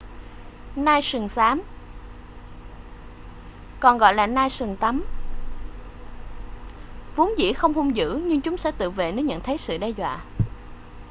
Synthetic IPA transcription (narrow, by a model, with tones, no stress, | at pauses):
naː˧jsɨ˨˩ŋsaː˨˦m | kɔ˨˩nɣɔ̰˧˨jlaː˨˩naː˧jsɨ˨˩ŋt̪a˨˦m | vu˨˦nzḭ˧˥xə˧wŋ͡mhu˧wŋ͡mzɨ̰˧˥ɲɨ˧ŋt͡ɕʊ˨˦ŋ͡msɛ̰˧˥t̪ɨ̰˧˨vḛ˧˨nə˨˦jɲə̰˧˨nt̪ʰə˨˦jsɨ̰˧˨ɗɛ˧zwa̰ː˧˨